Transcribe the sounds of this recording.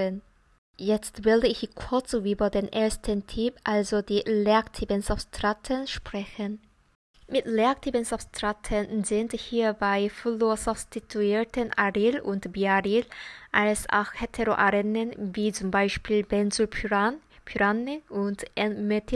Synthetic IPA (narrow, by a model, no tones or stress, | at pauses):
ən | jɛt͡stv̥ɛɐdəɪçkʰʊɐt͡svyːbɐdeːnʔeːɐstʰəntʰipʔalzodiːleɐktʰibənsɔpstʁ̥ak̚tʰənʃpʁ̥ɛçən | mɪtlɛɐk̚tʰibənsɔpstʁ̥ak̚tʰənzɪnthiːɐbaɪfulosɔbstʰitʰuiːɐtʰənʔaʁilʔʊ̰ntb̥iaʁilʔalsa̰xhetʰɛʁoʔaʁɛnənviːt͡sʊmbaɪʃpiːlbɛnzupʰ | pʰyʁaneʊntʔɛnmɛtʰ